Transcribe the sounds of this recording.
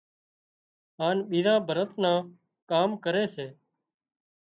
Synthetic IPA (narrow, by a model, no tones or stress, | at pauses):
ɦaːnɓiːɾãːbʱəɾət̪ʰnãː | kaːmkəɾeːseː